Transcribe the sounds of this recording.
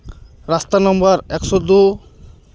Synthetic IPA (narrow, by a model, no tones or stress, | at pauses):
ɾast̪anɔmbɔɾɛksɔd̪u